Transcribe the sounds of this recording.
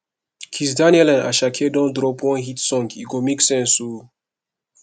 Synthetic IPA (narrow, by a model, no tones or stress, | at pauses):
kʰisd̪anɛlɛ̃na̰ʃakʰedɔ̃d̪ɾɔpwɔ̃ɦit̪sɔ̃ŋɡiɡomiksɛ̃su